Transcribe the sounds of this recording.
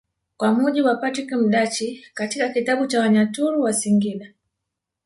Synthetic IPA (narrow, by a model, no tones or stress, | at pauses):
kwamuʄibwapatɾikim̩ɗat͡ʃikatikakitaɓut͡ʃawaɲatuɾuwasiŋɡiɗa